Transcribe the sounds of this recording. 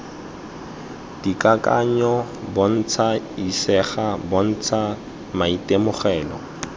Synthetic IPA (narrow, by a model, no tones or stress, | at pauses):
d̥ikʼakʼa̰ɲɔbɔn̩t͡sʰaisɛχabɔn̩t͡sʰa | maitemʊχɛːlɔ